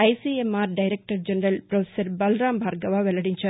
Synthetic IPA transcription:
ɐɪsiemaːɾɖɐɪɾɛk̚ʈɐɾd͡ʒɛnɾɐlpɾɐʋesɐɾbɐlɾaːmbʱaːɾɡɐʋaːʋɛlɐɽɪɲt͡ʃaː

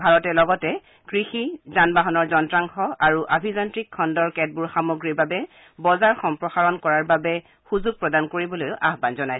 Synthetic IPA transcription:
bʱaɹɔtɛlɔɡɔtɛ | kɹixizanbaɦɔnɔɹzɔntɹaŋxɔaɹuʔabʱizɔntɹikʰːɔndɔɹkɛt̚buɹxamoɡɹiɹbabɛ | bɔzaɹxɔmpɹɔxaɹɔnkɔɹaɹbabɛ | xuzuɡ̚pɹɔdankoɹibɔlojʊʔaɦbanzɔnaj

